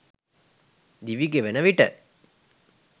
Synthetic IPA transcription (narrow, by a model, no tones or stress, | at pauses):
d̪iʋiɡeʋenəʋiʈə